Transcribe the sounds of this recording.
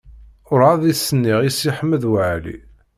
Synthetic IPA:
ʊɾˤaðisːənːiʁisiħəmːəðwəʕlḭ

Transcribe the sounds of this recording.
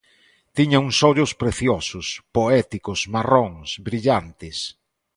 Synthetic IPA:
t̪iɲauŋsɔʎʊspɾeθjɔsʊspoɛt̪ikʊsmaroŋsbɾiʎant̪ɪs

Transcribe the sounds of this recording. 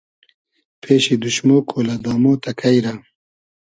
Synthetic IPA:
pʰeːɕid̪uɕmoːkʰoːlad̪ɑːmoːt̪ɐkʰajɾa

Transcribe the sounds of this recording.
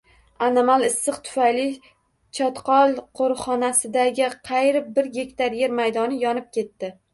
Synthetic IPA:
anamalˠɪsːɨqt̪ʰʊ̥fajlɪ | t͡ʃʰɒt̪qɒlˠqʰoɾχɒnasɪd̪aɡʲɪqʰɑjɾɪbɪɾɡʲe̞kʲt̪aɾjeɾmajd̪ɒnɪjɒnɪp̚kʲʰe̞t̪ːɪ

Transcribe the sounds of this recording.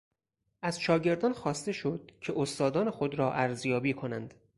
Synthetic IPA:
ʔæz̥ʃɒːɟe̞ɾd̪ɒːnxɒːst̪e̞ʃod̪̥̚cʰe̞ʔost̪ɒːd̪ɒːnexo̞d̪ɾɒːʔæɾzjɒːbiːkʰo̞nænd̪̥

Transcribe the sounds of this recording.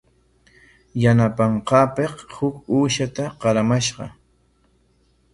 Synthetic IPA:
janapɑɴqɑːpeqhʊkuːʃat̪aqɑɾamaʃɢɑ̰

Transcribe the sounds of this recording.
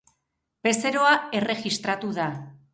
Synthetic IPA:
pe̞se̞ɾo̞ae̞re̞ɣist̪ɾat̪uða

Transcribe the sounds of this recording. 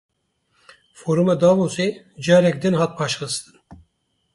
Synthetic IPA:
foːɾumɛd̪ɑːmose | d͡ʒɑːɾɛk̚d̪ɨnhɑːt̪̚pʰɑːʃxɨst̪ɨn

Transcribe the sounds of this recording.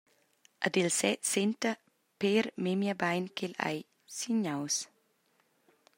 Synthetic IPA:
ʔad̪elsɛsent̪ə | peɾmemjabajnkʰela̰j | siɲaws

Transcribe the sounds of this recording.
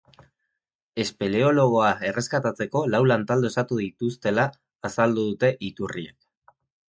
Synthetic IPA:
e̞speleo̞lo̞ɣ̞o̞ae̞re̞skat̪at͡se̞ko̞lawlant̪ald̪oesat̪uðit̪ust̪e̞laː | sald̪uðut̪e̞ʔit̪uriḛk

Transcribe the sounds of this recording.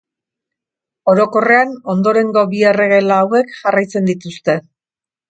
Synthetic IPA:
o̞ɾo̞ko̞re̞ano̞nd̪o̞ɾe̞ŋɡo̞βiere̞ɣ̞e̞lawe̞kʝarajt͡se̞nd̪it̪ust̪e̞

